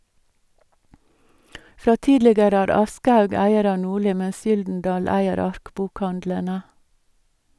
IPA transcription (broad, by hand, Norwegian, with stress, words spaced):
ˈfɾɑː ˈtiːdlɪɡəɾə ˈæːɾ ˈɑskəˌhɑʉɡ ˈæɪəɾ ˈɑː ˈnuːˌɭiː ˈmɛs ˈjʏldn̩ˌdɑːl ˈæɪəɾ ˈɑɾkbʊkˌhɑndlənə